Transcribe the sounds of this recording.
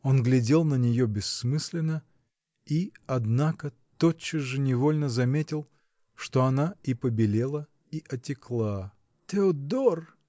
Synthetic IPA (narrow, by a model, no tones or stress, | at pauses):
o̞nɡlʲɪdʲe̞lˠnənʲɪjobʲɪsːmɨsʲlʲɪnə | iɐd̪nakə | t̪ot͡ɕːɪʐɨnʲɪvo̞lʲnəzɐmʲetʲɪlˠ | ʂt̪o̞ɐnaipəbʲɪlʲelˠə | iʔɐtʲɪklˠa | t̪ʲɪod̪or